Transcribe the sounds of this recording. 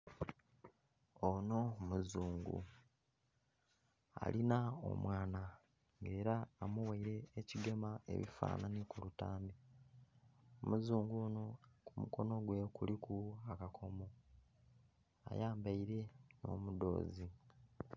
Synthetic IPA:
ono̞muzuːŋɡṵ | a̰linao̰mwaːna | ŋɡe̞ːɾaːmuwaiɾe̞ːciɡemae̞̰βḭfa̰ːnanikuɾutaːmbi | omuzuːŋɡono̞kumuko̞no̞ɡwe̞kulikʰuakakʰo̞mo̞ | a̰jaːmbaiɾe̞no̞̰ːmudo̞̰ːzi

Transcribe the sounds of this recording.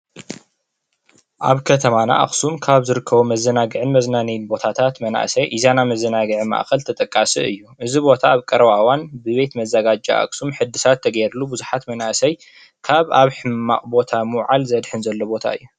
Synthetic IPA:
ʔaβkʰɐt̪ʰɐmana̰ʔa̰kʼsumkʰaβzɨɾɨkʰːɐβomɐzːɐnaɡɨʕɨnmɐznanijnbo̞t̪ʰat̪ʰat̪mɐna̰ʔsɐjʔizanamɐzːɐnaɡɨʕima̰ʔkɐlt̪ʰɐt̪ʼɐkʼːasiɨ̰jːuʔɨzibo̞t̪ʰaːβkʼɐɾɐβawanbɨβe̞t̪mɐzɐɡad͡ʒa̰ʔa̰ksumħɨd̪ɨsat̪ʰːɐɡɐjɾlubɨzuħat̪mɐnaʔsɐj | kʰaβaβħɨmːa̰χʼbo̞t̪ʰamɨwʕalzɐd̪ħɨnzɐlːobo̞t̪ʰa̰ɨ̰jːu

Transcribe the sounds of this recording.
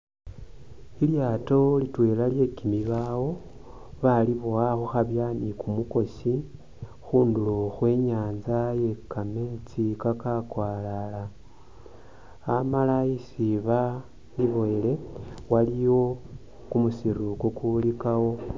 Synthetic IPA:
iljaːto̞litwe̞ːlalje̞kimiβawo̞ | βaliβowaxuxaβjanikumuko̞si | xuːnduloxwe̞ɲaːnzaje̞kameːnt͡sikakakwaːlala | malaisiβa | liβo̞ele̞waliwo̞ | kumusiɾukokulikawo̞

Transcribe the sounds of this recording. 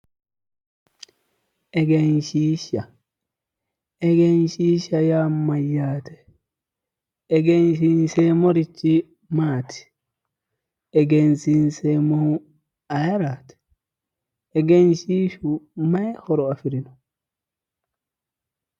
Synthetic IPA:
ʔɛɡɛnʃiːʃa | ʔɛɡɛnʃiːʃajamːajːaːtɛ̥ | ɛɡɛnʃ̬insɛmoɾit͡ʃːi | maːtʰi̥ | ʔɛɡɛnsinsɛmoh | ajaɾaːtɛ̥ | ɛɡɛnʃiːʃumajhɔɾɔafiɾinɔ

